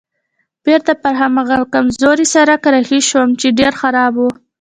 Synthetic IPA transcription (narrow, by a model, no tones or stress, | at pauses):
b̥eɾt̪apəɾɦamaɣakamzoɾisaɾakɾaxiʃwəmt͡ʃeɖeɾxaɾɑbwu